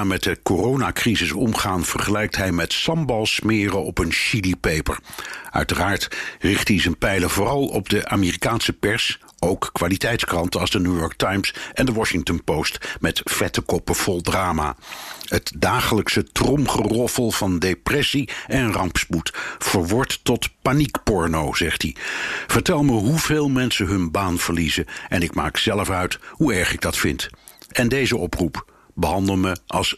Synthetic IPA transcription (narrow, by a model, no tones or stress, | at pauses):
amɛt̚dəkorownakrizɪsɔmχaːnv̥ərχəlɛjk̚tɦɛjmɛtsɑmbɑlˠsmɪːrəɔpənʃilipejpə̰ɹœ̰ɥtəraːɹtrɪχtizənpɛjləvʊːrɑlˠɔ̰b̚dəʔaːmeːrikaːnsəpɛɹs | owkkʋaːlitɛjtskrɑntɑlˠzdənuːjɔɹk̚tajmsʔɛndəʋɔʃɪŋtənpowstmɛtflɛtəkɔpəv̥ɔlˠdraːma̰ːətdaːχələksətrɔmχərɔfəlˠv̥ɑndeprɛsiʔɛnrɑmpsputfəɹʋɔɹttɔtpanikpɔɹnowz̥ɛχtiv̥əɹtɛlˠməɦuveːlˠmɛnsəɦɵnbaːnv̥əɹlizəʔɛnɪkma̰ːksɛləfœɥtɦuɛɹχɪɡ̚dɑtfɪ̰nt | ɛndejzəʔɔprup | bəɦɑndəlˠməʔɑlˠs